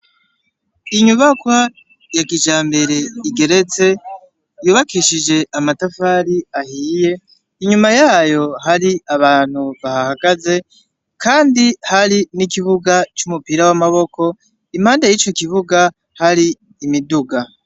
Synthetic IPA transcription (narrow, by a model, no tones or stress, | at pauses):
iɲuβakwa | jakid͡ʒaːmbe̞ɾe̞iɡe̞ɾe̞t͡se̞ | juːβakiʃid͡ʒe̞ʔamatafaːɾiahiːje̞ | iɲumajaːjo̞ɦaɾiaβaːn̥huβahahaɡaze̞ | kʰaːndihaɾinikiβuɡat͡ʃumupiɾawamaβo̞ko̞ | im̥haːndajit͡ʃo̞kiβuɡa | haɾiː | miduɡa